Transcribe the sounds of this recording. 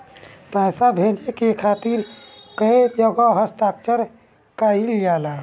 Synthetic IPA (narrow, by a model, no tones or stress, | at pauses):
pasabʱẽd͡ʒekekʰat̪iɾkəd͡ʒəɡaɦəst̪ak̚t͡ʃəɾ | kailijala